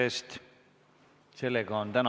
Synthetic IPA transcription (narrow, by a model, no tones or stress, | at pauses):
eːst̪ | se̞lːeɡɑont̪ænɑ